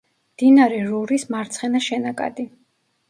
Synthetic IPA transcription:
md̪̥inaɾɛɾuɾismaɾt̪sʰχɛnaʃɛnakʼa̰d̪i

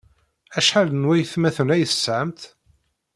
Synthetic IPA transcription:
æʃħalənwæjθmæθənæjəθsʕəmt̪

